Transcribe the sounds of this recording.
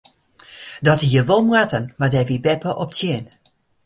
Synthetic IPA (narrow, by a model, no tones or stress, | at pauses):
dɔtijəʋomwatənmadɛvibɛpəʔɔp̚tjɪən